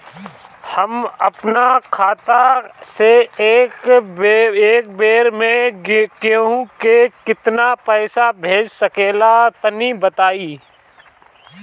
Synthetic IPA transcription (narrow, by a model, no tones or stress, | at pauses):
hɐmɐpnakʰaːt̪aseeːk | eːk̚beːɾmẽkeɦũkekɪt̪napɛːsabʱeːd͡ʒsɐkeːlat̪ənibət̪aːiː